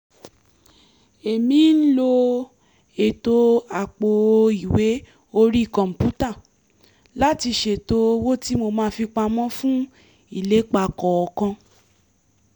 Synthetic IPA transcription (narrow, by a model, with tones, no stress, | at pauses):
e˨mĩ˨˦n̩˦lo˧ | e˨to˧a˨k͡po˨˧i˨we˨˦ | o˧ɾi˦i˦˨kɔ̃˨m̩˨pu˦ta˦˨ | la˦ti˧ʃe˦˨to˦wo˦ti˦mo˧mãː˦fi˧k͡pa˧mɔ̃˦fũ˦ | i˦˨le˨˦k͡pa˧˨kɔ˨ɔ˧kɔ̃˧